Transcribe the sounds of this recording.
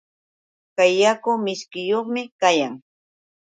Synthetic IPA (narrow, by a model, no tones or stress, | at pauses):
kajːakʊmɪskɪjoχmɪkajaŋ